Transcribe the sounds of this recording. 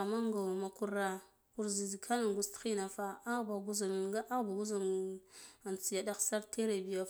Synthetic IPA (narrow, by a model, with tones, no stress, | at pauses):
a˨ma˦ŋɡa˨wma˨ku˦ɾa˨ | ku˦ɾzi˨zi˨kʰa˦na˨ŋɡu˦sti˦na˨fa˦a˦ba˨ɡu˦za˨ɡa˦a˦ba˨ɡu˦za˨n | a˨nt͡si˨ja˨da˦ksa˦ɾtʰe˦ɾe˨bi˨ja˨